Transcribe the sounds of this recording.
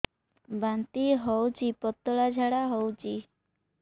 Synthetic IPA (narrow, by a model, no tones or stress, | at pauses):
bant̪iɦɔwt͡ʃipɔt̪ːɔɭad͡ʒʱaɽaɦɔwt͡ʃi